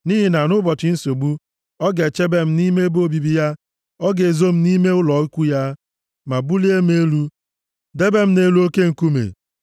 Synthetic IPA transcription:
ni˦ɦi˨na˨nʊ˦bɔ˨t͡ʃɪ˨˦n̩˦so˨ɡ͡bu˦ | ɔ˦ɡe˨t͡ʃe˦be˦m̩˦ni˦me˦bo˦bi˨bi˦ja˦ | ɔ˦ɡe˨zo˦m̩˦ni˦me˦ʊ˦lɔ˨˦kʷu˦ja˦ | ma˨bu˦li˦e˦m̩˦e˦lu˦ | de˦be˦m̩˦ne˦lu˦o˦ke˦ŋ̩˨ku˦mḛ˨

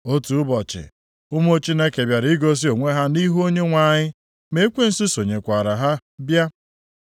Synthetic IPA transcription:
o˦tu˨ʊ˦bɔ˨t͡ʃɪ̰˨ | ʊ˦mo˦t͡ʃi˦ne˦ke˨bja˨ɾi˦ɡo˦s̬i˦o˨ŋʷe˦ɦa˦ni˦ɦu˦o˦ɲe˦ŋʷa˦˨ɲɪ˦ | me˦kʷe˦n̩˨si˦so˨ɲe˨kʷa˨ɾa˨ɦa˦bja˦

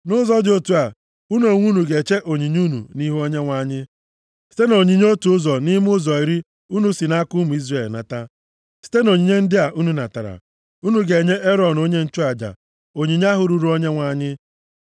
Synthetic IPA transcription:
nʊ˦zɔ˦dɪ˦o˦tu˨a˨ | u˦no˨ŋʷu˦nu˨ɡe˨t͡ʃe˦ʔo˨ɲi˨ɲ˦u˦nṵ˨ni˦ɦu˦o˦ɲe˦ŋʷa˨˦˨ɲɪ˦ | si̥˦te˦no˨ɲi˨ɲ˦o˦tu˨˦ʊ˦zɔ˨ni˦m˦ʊ˦zɔ˨i˨ɾi˦ | u˦nu˦si˨na˦kʊ˦mu˨i˦zre˨lna̰˨ta˦ | si̥˦te˦no˨ɲi˨ɲe˦n̩˦dɪ˦a˨ʔu˦nu˨na˨ta˨ɾa̰˨ | u˦nu˨ɡe˨ɲe˦ʔe˦ɾɔ˨no˦ɲe˦n̩˦t͡ʃʊ˦a˨d͡ʒa̰˨ | o˨ɲi˨ɲ˦a˦ɦʊ˨ɾu˨ɾu˨˦o˦ɲe˦ŋʷa˨˦˨ɲɪ˦

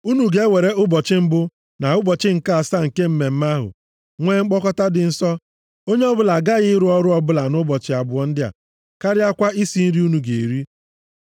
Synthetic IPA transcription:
u˦nu˨ɡe˦we˨ɾe˦ʊ˦bɔ˨t͡ʃɪ˦m̩˦bʊ˦ | na˨ʊ˦bɔ˨t͡ʃɪ˦ŋ̩˨ka˦a˨sa˦ŋ̩˨ke˦m̩˦me˨m̩˦ma˦ɦʊ̰˨ | ŋʷe˦ŋ͡m̩˦k͡pɔ˦kɔ˦ta˦dɪ˨n̩˦sɔ˦ | o˦ɲe˦ɔ˦bʊ˦la˨ɡa˦ɣɪ˦ɪ˦ɾʊ˦ɔ˦ɾʊ˦ɔ˦bʊ˦la˨nʊ˦bɔ˨t͡ʃɪ˨a˨bʊ˨ɔ˨n̩˦dɪ˦a̰˨ | ka˦ɾɪ˦a˦kʷa˦i˦si˦n̩˦ɾi˦u˦nu˨ɡḛ˨ɾi˦

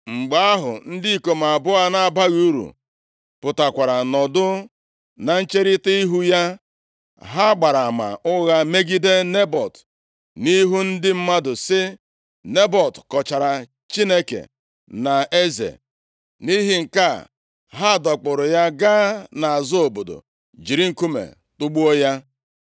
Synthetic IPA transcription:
ŋ͡m̩˨ɡ͡ba˦a˦ɦʊ̰˨n̩˦di˦i˦˨ko˨m˨a˨bʊ˦a˦na˨ba˦ɣu˦ɾṵ˨ | pʊ˨ta˨kʷa˨ɾa˨nɔ˨dʊ˦ | na˨n̩˦t͡ʃe˦ɾɪ˦ti˦i˦ɦu˦ja˦ | ɦa˦ɡ͡ba˨ɾa˨ma̰˨ʔʊ˦ɣa˦me˦ɡi˦de˦ne˦bɔ˨t | ni˦ɦu˦n̩˦dɪ˦m̩˦ma˦dʊ˨sɪ˦ | ne˦bɔ˨tkɔ˨t͡ʃa˨ɾa˨ | t͡ʃi˦ne˦kḛ˨ | na˨e˦zḛ˨ | ni˦ɦi˦ŋ̩˨ka˦˨ | ɦa˦˨dɔ˨k͡pʊ˨ɾʊ˨ja˦ɡaː˦na˨a˨zo˦o˨bo˨do̰˨ | d͡ʒi˨ɾi˦ŋ̩˨ku˦mḛ˨ | tʊ˦ɡ͡bu˦o˦ja˦

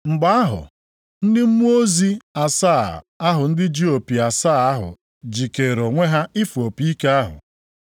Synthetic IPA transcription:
ŋ͡m̩˨ɡ͡ba˦a˦ɦʊ̰˨ | n̩˦dɪ˦m̩˦mu˦o˦zi˦a˨saː˦˨ | a˦ɦʊ˨n̩˦dɪ˦d͡ʒi˦o˨pi˨a˨saː˦˨a˦ɦʊ̰˨ | d͡ʒi˨ke˨ɾo˨ŋʷe˦ɦa˦i˦fu˨o˨pi˦ke˦a˦ɦʊ̰˨

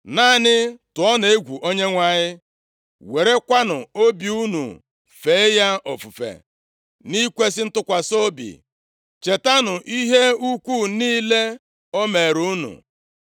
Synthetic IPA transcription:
na˦˨nɪ˦tʊ˨ɔ˦ne˦ɡʷu˨ʔo˦ɲe˦ŋʷa˨ɲɪ˦ | we˨ɾe˦kʷa˦nʊ˨o˦bi˨u˦nṵ˨ | fe˨˦ja˦ɔ˨fu˨fḛ˨ | ni˦kʷe˦s̬ɪ˦n̩˦tʊ˦kʷa˨so˦bḭ˨ | t͡ʃe˨ta˦nʊ˨ʔi˦ɦe˦u˦kʷu˦˨niː˦le˦ | o˦me˨ɾu˦nṵ˨

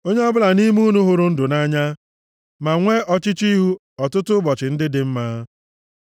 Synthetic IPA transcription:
o˦ɲe˦ɔ˦bʊ˦la˨ni˦m˦u˦nu˦ɦʊ˨ɾʊ˦n̩˦dʊ˨na˦ɲa˦ | ma˨ŋʷe˦ʔɔ˦t͡ʃɪ˦t͡ʃi˦ɦu˦ | ɔ˨tʊ˦tʊ˦bɔ˨t͡ʃɪ˨n̩˦dɪ˦dɪ˨m̩˦maː˦

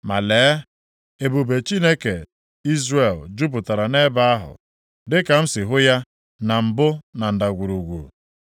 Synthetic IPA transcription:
ma̰˨leː˨˦ | e˨bu˨be˨t͡ʃi˦ne˦ke˨ | i˦zre˨ld͡ʒu˦p̬ʊ˨ta˨ɾa˨ne˦ba˦a˦ɦʊ̰˨ | dɪ˦ka˨m̩˦sɪ˨ɦʊ˦ja˦ | na˨m̩˨bʊ˦na˨n̩˨da˨ɡʷu˨ɾu˨ɡʷṵ˨

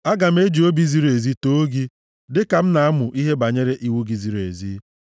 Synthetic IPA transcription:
a˦ɡa˨m̩˦e˦d͡ʒi˨o˦bi˦zi˦ɾe˨zi˦to˦ɡi˦ | dɪ˦ka˨m̩˦na˨a˦mʊ˨ʔi˦ɦe˦ba˨ɲe˦ɾe˦ʔi˨wu˦ɡi˨zi˨˦ɾe˨zi˦

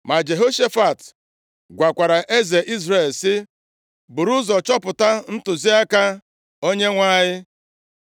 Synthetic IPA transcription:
ma˨d͡ʒe˨ɦo˦ʃe˦fa˨t | ɡʷa˨kʷa˨ɾa˨ʔe˦ze˨ʔi˦zɾe˦˨lsɪ˦ | bʊ˨ɾu˦zɔ˨t͡ʃɔ˦pʊ˨ta˦n̩˦tʊ˨zi˦a˦ka˦ | o˦ɲe˦ŋʷa˦ɲɪ˦

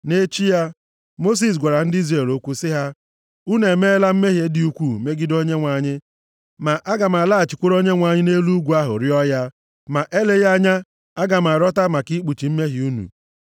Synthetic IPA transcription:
ne˦t͡ʃi˦ja˦ | mo˦s̬i˨s̬ɡʷa˨ɾa˨n̩˦di˦zɾe˨lo˦kʷu˦sɪ˦ɦa˦ | u˦ne˨me˦la˦m̩˦me˦ɦe˦dɪ˨u˦kʷu˦˨me˦ɡɪ˦do˦ɲe˦ŋʷa˨ɲɪ˦ | ma˨ʔa˦ɡa˨m˨a˨la˦a˨t͡ʃɪ˨kʷʊ˦ɾo˦ɲe˦ŋʷa˨ɲɪ˦ne˦lu˦ɡʷu˨˦a˦ɦʊ̰˨ɾɪ˦ɔ˦ja˦ | ma˨ʔe˦le˦ja˦ɲa˦ | a˦ɡa˨m˨a˨ɾɔ˦ta˦ma˨ki˦k͡pu˨t͡ʃi˨m̩˦me˦ɦi˨u˦nṵ˨

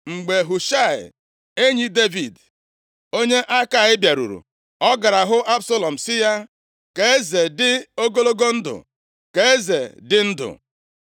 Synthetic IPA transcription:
ŋ͡m̩˨ɡ͡be˨ɦʊ˨ʃa˦˨ɪ̰˨ | e˦ɲi˦de˦vi˨d | o˦ɲe˦ʔa˦ka˦˨ɪ˦bja˨ɾṵ˨ɾṵ˨ | ɔ˦ɡa˨ɾa˨ɦʊ˦ʔa˦bso˦lɔ˨m̩˨sɪ˦ja˦ | ke˨e˦ze˨dɪ˦o˦ɡo˦lo˦ɡo˦n̩˦dʊ̰˨ | ke˨e˦ze˨dɪ˦n̩˦dʊ̰˨

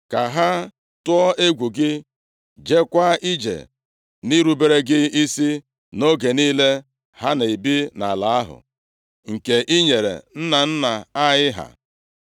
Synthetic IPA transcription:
ka˨ɦa˦ | tʊ˦ɔ˦e˦ɡʷu˨ɡɪ˦ | d͡ʒe˦kʷa˦i˦d͡ʒḛ˨ | ni˦ɾu˨be˦ɾe˦ɡɪ˦i˦si˦ | no˦ɡe˨niː˦le˦ | ha˦na˨i˨bi˦na˨la˨˦a˦ɦʊ̰˨ | ŋ̩˨ke˨ʔi˦ɲe˨ɾḛ˨n̩˦na˨n̩˦na˨a˦jɪ˦ɦa̰˨

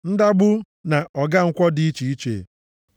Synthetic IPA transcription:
n̩˦da˦ɡ͡bʊ˦ | na˨ʔɔ˨ɡa˦ŋ̩˦kʷɔ˦dɪ˦i˦t͡ʃi˨i˦t͡ʃḛ˨

